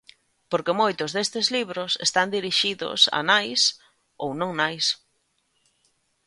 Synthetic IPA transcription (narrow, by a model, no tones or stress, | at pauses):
poɾkemojt̪ʊzðest̪ɪzliβɾʊsest̪and̪iɾiʃiðʊ̰sa̰najs | ownõŋnajs